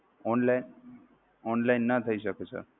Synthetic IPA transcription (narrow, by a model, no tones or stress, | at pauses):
ɔnlajn | ɔnlainːat̪ʰəiɕəkesə̰ɾ